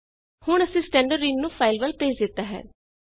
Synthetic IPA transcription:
hʊɳ̃əsĩːsʈɛ̃ːɳɖəɾːiːnnũːpʰaːɪlʋəlpeːd͡ʒd̪ɪt̪ːaːɦɛ̰ː

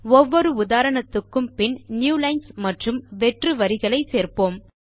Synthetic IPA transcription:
ɔʋːɔɾɯʊðaːɾɐɳɐt̪ːɯkːɯmpɪnnjuːlɐɪnsmɐʈrɯmʋɛʈrɯʋɐɾɪɣɐɭɐɪseːrpoːm

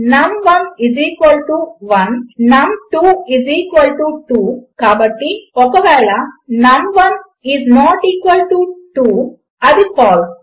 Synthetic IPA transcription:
nɐmʋɐniziːkʋɐlʈuʋɐ̃nːɐ̃mʈuːiziːkʋɐlʈuʈuːkaːbɐʈːiɔkɐʋɛːlanɐmʋɐn | iznɔːʈiːkʋəlʈuʈuː | ɐd̪ifɔːɾ

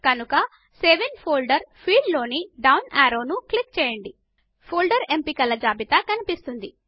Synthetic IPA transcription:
kɐnukɐ | seːʋenpʰoːlɖɐɾpʰiːɖlo̞ːniɖɐwnaːɾo̞ːnuklik̚t͡ʃɛːjɐɳɖi | pʰoːlɖɐɾe̞mpikɐlɐd͡ʒaːbit̪ɐkɐnipist̪und̪i

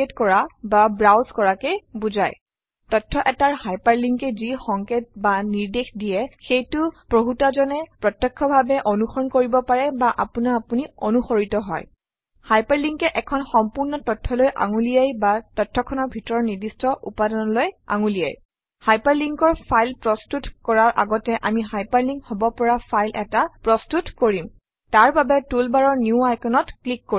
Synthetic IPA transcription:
etkɔɹababɹawzkɔɹakɛbuzaj | tɔtʰːɔʔɛtaɹhajpaɹliŋkɛzixɔŋket̚baniɹdexdiɛxejtʊpɹoɦutazɔnɛpɹɔtjɛkʰːɔbʱabɛʔonuxɔɹɔnkoɹibɔpaɹɛbaʔa̰punaːpunionuxoɹitɔɦɔ̰j | hajpaɹliŋkɛʔɛkʰɔnxɔmpuɹnɔtɔtʰːɔlojʔa̰ŋulijajbatɔtʰːɔkʰɔnɔɹbʱitɔɹɔɹnidistʰɔʔṵpadɔnɔloja̰ŋulija̰j | hajpaɹliŋkɔɹpʰajlpɹɔstutkɔɹaɹʔa̰ɡɔtɛʔa̰miɦajpaɹliŋkhɔbɔpɔɹapʰajlʔɛ̰tapɹɔstutkoɹim | taɹbabɛtulbaɹɔɹnjuajkɔnɔtklikːo

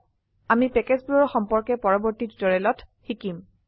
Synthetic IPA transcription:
amipɛkɛzbulɔɹxɔmpɔɹkɛpɔɹɔbɔɹtitdɔɹɛlɔtxikim

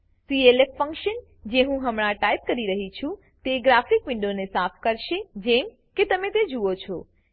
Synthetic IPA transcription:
sielekfə̃ŋkʃən | d͡ʒeɦũɦəmɽ̃ãʈajp̚kəɾiɾəɦit͡ʃʰũ | t̪eɡɾafikʋɪ̃ɳɖonesapʰkəɾʃed͡ʒem | ket̪əmẽt̪ed͡ʒuot͡ʃʰɔ

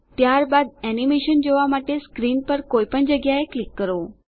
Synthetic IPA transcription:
t̪jaɾbad̪̚ɛnimeʃənd͡ʒoʋamaʈeskɾinpəɾkoipəɳd͡ʒəɡjaeklikːəɾo

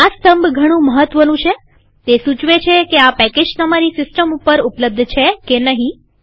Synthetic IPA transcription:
ast̪əmbɡʱəɽ̃ũməɦət̪ʋənũt͡ʃʰe | t̪esut͡ʃʋet͡ʃʰekeapɛked͡ʒt̪əmaɾisɪsʈəmupəɾupləb̚d̪ʱt͡ʃʰekenəɦĩ

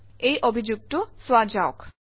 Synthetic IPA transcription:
ejʔobʱid͡ʑuɡ̚toswad͡ʑaok

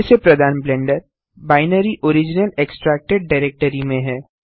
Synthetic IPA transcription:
sepɾɐd̪ʱaːnblɛ̃ːɳɖəɾ | baːɪnəɾiʔoːɾɪd͡ʒɪnəleksʈɾɛːk̚ʈeɖ̚ɖaɪɾeːk̚ʈəɾimẽɦɛː

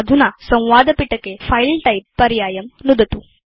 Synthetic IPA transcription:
d̪ʱunasɐ̃w̃ʋaːd̪əpiʈəkefʰailʈaipːɐɾjaːjɐmnud̪ət̪u

